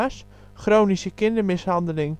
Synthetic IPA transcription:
as | χrownisəkɪndəɹmɪshɑndəlɪŋ

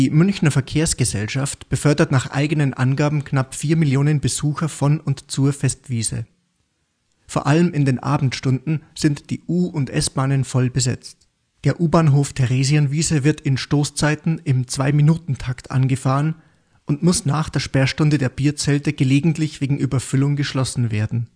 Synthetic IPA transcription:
d̥iːmʏnçnɐfɛɐkʰeːɐsɡ̥əzɛ̰lʃaftb̥əfœɐdɐtnaːχʔa̰ɪɡənənʔa̰nɡaːbm̩knapfiːɐmɪljoːnənbəzuːxɐfɔnʊntt͡suːɐfɛstv̥iːzə̰ | foːɐʔaləmɪndeːnʔa̰ːbm̩tʃtʊndn̩z̥ɪntd̥ḭːʔuːʊntʔɛ̰sb̥aːnənfɔlbəzɛ̰t͡st | d̥eːɐʔuːbaːnɦoːftʰɛʁeːzianviːzəvɪɐtʰɪnʃtoːst͡saɪtn̩ɪmt͡sv̥aɪminuːtn̩tʰaktʔa̰nɡəfaːʁən | ʔʊntmʊsnaːχd̥eːɐʃpɛːɐʃtʊndədeːɐbiːɐt͡sɛltəɡ̥əleːɡŋ̩tlɪçv̥eːɡŋ̩ʔy̰ːbɐfʏlʊŋɡəʃlɔsn̩veːɐdn̩

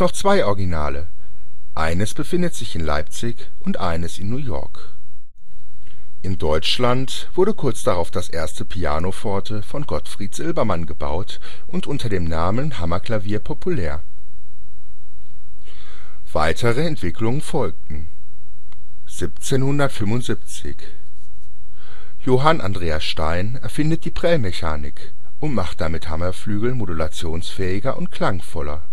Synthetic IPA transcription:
nɔχt͡sv̥aɪʔɔɐɡinaːlə | ʔaɪnəsb̥əfɪndətz̥ɪçɪnla̰ɪpt͡sɪç | ʔʊntʔa̰ɪnəsɪnːuːjɔ̰ɐk | ʔɪndɔʏt͡ʃlant | v̥ʊɐɾəkʰʊɐt͡sd̥aʁaʊfd̥asʔeːɐstəpʰia̰ːnofɔɐtʰəfɔnɡɔtfʁ̥iːtz̥ɪlbɐmanɡəba̰ʊt | ʔʊntʔʊntɐdeːmnaːmənhamɐkʰl̥aviːɐpʰɔpʰulɛːɐ | v̥aɪtʰəʁəɛntv̥ɪkʰlʊŋənfɔlk̚tn̩ | z̥ip̚t͡seːnhʊndɐtfʏmʊntz̥ɪp̚t͡sɪ̰ç | joːɦanʔa̰ndʁeːasʃtaɪnɛɐfɪndət̚d̥iːpʁ̥ɛlmɛçaːnɪk | ʔʊntmaχt̚d̥amɪthamɐflyːɡl̩modulat͡sjoːnsfɛːɪɡɐʔʊntkl̥aŋfɔlɐ

